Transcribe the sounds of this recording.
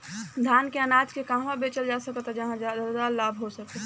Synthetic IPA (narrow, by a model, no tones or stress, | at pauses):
d̪ʱjankeənad͡ʒkekaɦmãbet͡ʃəld͡ʒasəkət̪ɦɛd͡ʒɐɦãd͡ʒ̪d̪alaːbʱɦosək̚e